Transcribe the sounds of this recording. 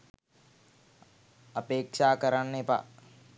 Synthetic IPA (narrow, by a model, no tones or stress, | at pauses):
ɐpeːkʂaːkəɾanːepa̰